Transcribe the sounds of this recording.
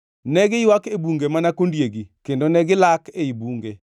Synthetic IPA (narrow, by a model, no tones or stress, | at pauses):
nɛɡɪjwakebuŋɡemanakondjeɡikendonɛɡɪlakeibuŋɡe